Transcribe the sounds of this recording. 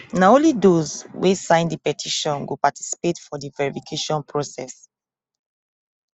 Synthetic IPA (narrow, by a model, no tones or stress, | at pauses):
naõnlidozwesãɪ̃ndipɛtʰiʃɔ̃nɡo̰pati̥si̥petfɔdivɛɹifikʰeʃɔ̃npʰɹosɛs